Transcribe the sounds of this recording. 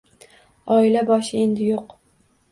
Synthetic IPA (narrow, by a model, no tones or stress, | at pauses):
ɒɪlabɒʃɪe̞nd̪ɪjoq